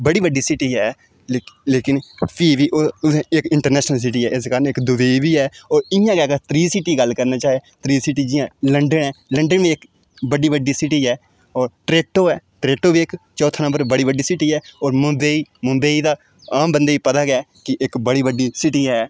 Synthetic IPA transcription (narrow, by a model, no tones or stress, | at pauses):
bəɽiːbəɖːiːsɪʈiːɦɛː | leːkɪnpʰiːʋiːʔẽɪkɪɳʈəɾnɛːʃnəls̬ɪʈiːɛːʔɪskaːɾənɪkd̪ʊʋeːiʋiːɛːɔːɾɪjãːɡɛːkət̪ɾiːsɪʈiːɡəlkəɾnaːt͡ʃaːet̪ɾiːsɪʈiːd͡ʒɪjãːləɳɖənɛːləɳɖənʋiːɪk | bəɖiːbəɖiːsɪʈiːɛː | ɔːɾʈɾeːʈoːɛːʈɾeːʈoːbiːɪkt͡ʃɔːt̪ʰːnəmbəɾbəɽiːbəɖiːsɪʈiːɛːɔːɾmʊ̃mbeiːmʊ̃mbeːiːd̪aː | ãːmbənd̪eːiːpət̪aːɡɛːkɪʔɪkbəɽiːbəɖiːsɪʈiːɦɛː